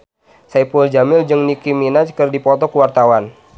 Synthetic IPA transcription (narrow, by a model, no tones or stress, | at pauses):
saipuld͡ʒamɪld͡ʒɨŋnikiminat͡ʃkərdipɔt̪ɔkəwart̪awan